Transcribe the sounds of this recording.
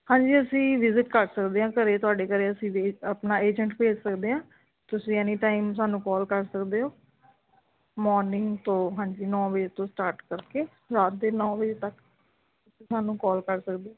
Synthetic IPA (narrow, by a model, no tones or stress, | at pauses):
hãːɲd͡ʒiːəsĩːʋɪzɪʈkəɾsəkd̪eːãːkəɾeːt̪ʊaːɖeːkəɾeːəsĩːeːəpnaːeːd͡ʒəɳʈpeːd͡ʒsəkd̪eːɦãː | t̪ʊsĩːɛːniːʈaːims̬aːnũːkɔːlkəɾsəkd̪eːɦoː | mɔːɾnɪŋɡt̪õːɦãːɲd͡ʒiːnɔ̃ːbəd͡ʒeːt̪õːsʈaːɾʈkəɾkeː | ɾaːt̪̚d̪eːnɔ̃ːbəd͡ʒeːt̪ək | t̪ʊsĩːsaːnũːkɔːlkəɾsəkd̪eːoː